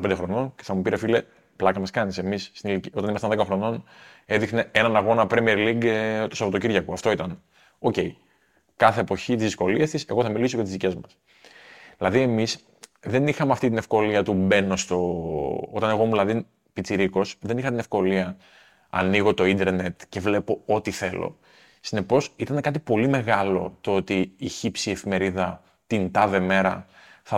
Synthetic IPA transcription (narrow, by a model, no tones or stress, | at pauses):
ped̪exɾo̞no̞nceθɐmupiɾefile | plɐkɐmɐskɐnise̞misːt̪inilicio̞t̪ɐnimɐst̪ɐnðekɐxɾo̞no̞ne̞ðixne̞e̞nɐnɐɣo̞nɐpɾemieɾliɡt̪osɐpo̞t̪o̞ciɾʝɐkuɐft̪o̞it̪ɐn | o̞ce̞i | kɐθe̞ːpo̞çit̪izðisko̞liest̪ise̞ɣo̞θɐmilisojɐt̪izðice̞zmɐs | ðilɐðie̞mis | ðe̞nixɐmeɐft̪it̪inefko̞liɐt̪ube̞no̞st̪o̞o̞t̪ɐne̞ɣo̞mulɐðin | pit͡siɾiko̞sðe̞nixɐt̪ine̞fko̞liɐ | ɐ̰niɣo̞t̪o̞ind̪e̞ɾne̞t̪ce̞vle̞po̞o̞t̪iθe̞lo̞̰ | sine̞po̞sit̪ɐne̞kɐt̪ipo̞lime̞ɣɐlo̞̰t̪oo̞t̪iːçipsie̞fime̞ɾiðɐ | t̪int̪ɐðe̞me̞ɾɐ̰θɐ